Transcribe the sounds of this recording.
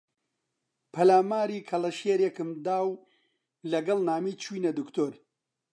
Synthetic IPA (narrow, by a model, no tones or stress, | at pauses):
pʰɐlaːmaːɾiːkʰɐlɐʃeːɾekɨmd̪aːw | lɐɡɐlnaːmiːt͡ʃʰiːnɐd̪ukt̪oːɾ